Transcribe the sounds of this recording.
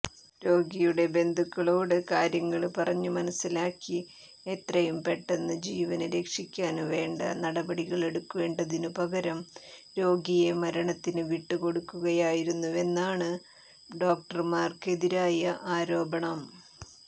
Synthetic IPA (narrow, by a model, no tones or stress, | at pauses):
ɾo̞ːɡijuɽe̞be̞nd̪ʱukːɐɭo̞ːɽɨkaːɾjɐŋːɐɭpɐrɐɲːumɐnɐsːilaːkːi | e̞t̪rɐjumpe̞ʈːe̞nːɨd͡ʑiːʋɐnɨɾe̞kʂikʲːaːnʋe̞ːɳɖɐ̰nɐɽɐbɐɽiɣɐɭe̞ɽukːuʋe̞ːɳɖɐðinɨpɐɣɐɾɐmɾo̞ːɡije̞mɐɾɐɳɐt̪ːinɨʋiʈːɨko̞ɽukːuɣɐjaːjiɾunːue̞nːaːɳɨ | ɖo̞ːk̚ʈɐrmaːrke̞ðiɾaːjɐʔaːɾo̞ːbɐɳɐm